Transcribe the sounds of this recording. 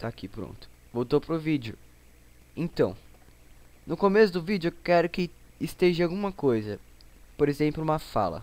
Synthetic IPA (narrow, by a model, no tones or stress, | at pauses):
t̪akipɾõ̰nt̪ʊ̥ | vowt̪owpɾʊvid͡ʒʊ | ẽt̪ɐ̃w̃ | nʊkomesʊd̪ʊvid͡ʒʊekɛɾʊkɪːst̪eʒɪawɡũmɐkojzɐ | poɾezẽplʊũmɐfa̰lɐ̰